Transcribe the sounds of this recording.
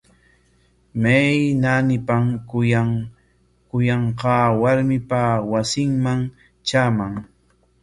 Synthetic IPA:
mejnanɪpam | kʊjɑɴqɑːwaɾmɪpawasɪŋmaŋ | t͡ʃaːmaŋ

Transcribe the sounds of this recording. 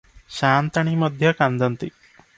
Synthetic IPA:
ɕant̪aɽ̃iməd̪ʱjəkand̪ʱənt̪i

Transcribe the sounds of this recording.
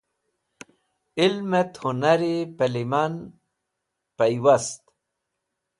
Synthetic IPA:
ilmet̪hunaɾipeliman | pajwast̪

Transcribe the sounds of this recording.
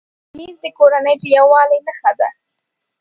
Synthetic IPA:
mizd̪əkoɾanəjʈjawɑləjnəxad̪a̰

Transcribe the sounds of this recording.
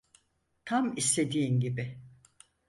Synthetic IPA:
t̪ʰamist̪ʰe̞d̪iːnɟibi

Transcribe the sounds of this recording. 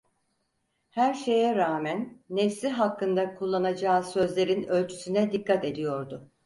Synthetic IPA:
hæɾʃe̞jɛɾaːmænːɛfsiɦakːɯnd̪akʰulˠːanad͡ʒaːsø̞zlʲe̞ɾinø̞lʲt͡ʃʰy̥synɛd̪ikːat̪e̞d̪ijo̞ɾd̪ʊ

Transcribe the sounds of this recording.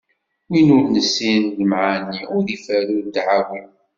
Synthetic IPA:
winʊɾnəsːinləmʕanːiʊɾðifælud̪ʕawim

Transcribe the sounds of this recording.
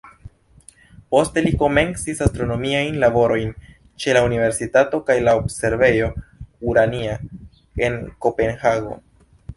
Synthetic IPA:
po̞ste̞liko̞me̞nsisastɾo̞no̞miajnlabo̞ɾo̞jn | t͡ʃe̞launive̞ɾsitato̞kajlaobse̞ɾve̞jo̞uɾania | e̞nko̞pe̞nhaɡo̞̰

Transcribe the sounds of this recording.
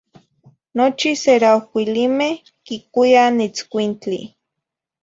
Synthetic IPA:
not͡ʃiseɾaokʷilimeh | kikʷianet͡skʷint͡ɬḭ

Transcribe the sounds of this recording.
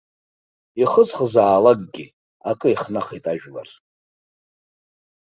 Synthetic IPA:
iχəzχəzaːlaɡ̚ʼɡʲi | akʼɨiχnaχejtʼaʒᶣla̰r

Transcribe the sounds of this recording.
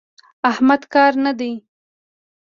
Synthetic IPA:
ahmad̪kɑɾnad̪e

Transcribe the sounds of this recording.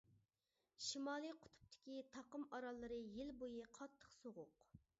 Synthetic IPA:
ʃimɑːlˠɨqʰʊ̥t̪ʰʊ̥p̚t̪ʰɪ̥kʲit̪ʰɑqəmɑɾɑlˠːɨɾɨjɪlbojɨqʰɑt̪ʰːə̥χsoʁʊq

